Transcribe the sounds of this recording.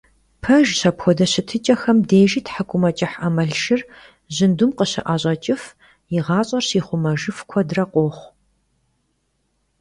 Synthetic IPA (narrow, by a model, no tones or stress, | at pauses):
pʰɐʒɕɐpxʷɔdɐɕɪtʰɨt͡ʃʼɐxɐmdeːʒiːtħakʷʼʊmɐt͡ʃʼɪħɐmɐɬʃɪr | ʑɪndumqəɕɪ̰ʔaːɕʼɐt͡ʃʼɪf | jɪʁɑːɕʼɐrɕiːχʷʊmɐʒɨfkʷʰɔdrɐqʷʼoːχʷ